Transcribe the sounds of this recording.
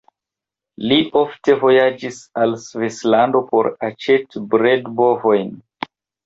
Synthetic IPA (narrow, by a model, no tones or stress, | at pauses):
liʔofte̞vo̞jad͡ʒisalsvislando̞po̞ɾat͡ʃe̞tibɾedbo̞vo̞jn